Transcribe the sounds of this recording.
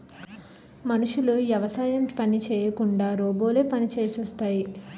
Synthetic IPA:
mɐnuʂulujɐʋɐsaːjɐmpɐnit͡ʃɛːjɐkuɳɖaːɾoːboːleːpɐnit͡ʃeːsiʋɐst̪aːji

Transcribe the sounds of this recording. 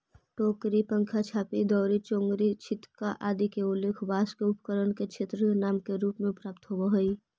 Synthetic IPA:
ʈoːkɾipə̃ŋkʰat͡ʃʰaːpid̪ɔːɾit͡ʃõːŋɡɾit͡ʃʰɪt̪kaʔaːd̪ikeʊlːeːkʰbaːskeʊpkəɾənket͡ʃʰeːt̪ɾənaːmkeɾuːpmẽpɾaːp̚t̪ɦoɡaɦoi

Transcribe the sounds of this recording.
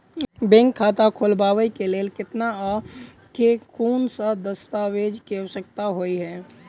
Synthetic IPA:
bẽŋkʰːaːt̪akʰoːlbaːwəikeleːlkɪt̪naɔː | kekʰuːnsad̪əst̪aːʋeːd͡ʒkesək̚t̪aɦoiɦɛː

